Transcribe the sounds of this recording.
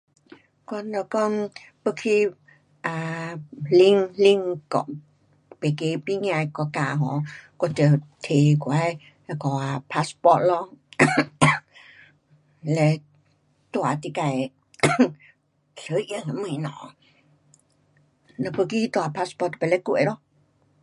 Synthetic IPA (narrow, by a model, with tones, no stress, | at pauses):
kɔ˧nɔ˧kɔ˧npə˧kʰi˧ | ʔa˨˧li˧ŋli˧ŋkɔ̰˧˨ | pe˨ke˧˦pi˧ŋ˧ã˧jkɔ˧˩ka˧˨ɦɔ̰̃˨˦kɔ˧tə˧˩t̪ʰe˨kwa˧˦j | ɛ˧kɔ˧˩a˧˨pʰa˧˥spɔ˧t̚lɔ˧ | lɛ˧ | t̪wa˨t̪i˧ka˧˨j | ɬə˧˦ʔjə˧hã˧˨mɨ̃˧˨nɔ̰̃˨ | nɔ̃˧pə˧ki˦˧t̪wa˧˨pʰa˧spɔ˧t̪pɛ˧˨lɛ˧˦kwḛ˨ɾɔ˦